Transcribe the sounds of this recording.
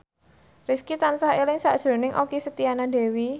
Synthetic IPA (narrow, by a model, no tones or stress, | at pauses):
rifkit̪ansahelɪŋsaʔd̥ʒ̥ɾo̤nɪŋʔokisət̪ianadɛ̤wi